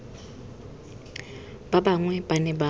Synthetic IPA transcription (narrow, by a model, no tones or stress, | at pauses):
b̥abaŋwɛbanɛba